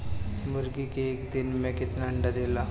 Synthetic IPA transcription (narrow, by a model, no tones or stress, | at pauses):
məɾɡikeːkd̪inmekit̪naɳɖad̪ela